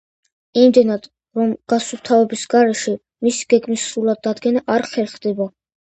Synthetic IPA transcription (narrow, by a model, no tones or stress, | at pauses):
imd̪ɛnad̪ | ɾɔmɡ̥asult̪ʰavɛbisɡaɾɛʃɛ | misi̥ɡ̥ɛɡmisɾulˠad̪ːad̪ɡɛnaʔaɾχɛɾχd̪ɛba